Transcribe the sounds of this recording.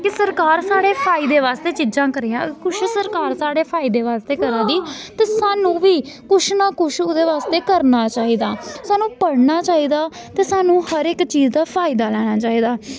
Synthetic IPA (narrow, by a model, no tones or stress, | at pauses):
kɪsəɾkaːɾsaːɽeːpʰaːiːd̪eːʋaːst̪eːt͡ʃiːd͡ʒãːkəɾeːãːkʊʃʰsəɾkaːɾsaːɽeːpʰaːiːd̪eːʋaːst̪eːkəɾãːd̪iːt̪eːsaːnũːʋiː | kʊʃʰnaːkʊʃʊd̪eːʋaːst̪eːkəɾnaːt͡ʃaːiːd̪aːsaːnũːpəɽnaːt͡ʃaːiːd̪aː | t̪eːsaːnũːhəɾɪkt͡ʃiːzd̪aːpʰaːɪd̪aːlɛːɽ̃aːt͡ʃaːiːd̪aː